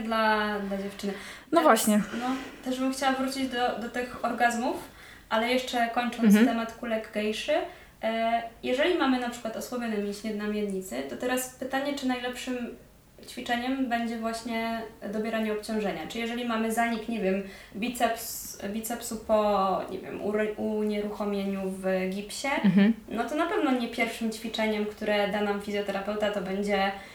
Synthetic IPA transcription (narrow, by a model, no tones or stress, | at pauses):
d̪lad̪lad͡ʑɛft͡ʂɘnɘ | nɔvwaɕɲɛnɔt̪ɛʐbɘmxt͡ɕawavɾut͡ɕid͡ʑd̪ɔd̪ɔt̪ɘxɔɾɡazmuf | ʔalɛjɛʂt͡ʂɛkɔɲt͡ʂɔnt̪st̪ɛmat̪kulɛɡɡɛjʂɘ | jɛʐɛlʲimamɘnapʂɘ̥kwat̪ɔswɔbʲjɔnɛmʲiɕɲʲɛd̪̚namʲjɛɾɲit̪sɘt̪ɔt̪ɛɾaspɘt̪aɲɛt͡ʂɘnajlɛpʂɘm | t͡ɕfʲit͡ʂɛɲɛmbɛɲd͡ʑɛvwaɕɲɛd̪ɔbʲjɛɾaɲɛɔpt͡ɕɔ̃w̃ʐɛɲat͡ʂɘijɛʐɛlʲimamɘzaɲikɲevʲjɛm | bʲit̪sɛpsbʲit̪sɛpsupɔɲɛ̰vʲjɛ̰muɾuɲɛɾuxɔmʲjeɲuvɡʲipɕɛnɔt̪ɔn̪apɛvnɔɲɛpʲjɛɾfʂɘmt͡ɕfʲit͡ʂɛɲɛmkt̪uɾɛd̪anamfʲizʲjɔt̪ɛɾapɛwt̪at̪ɔbɛɲd͡ʑɛ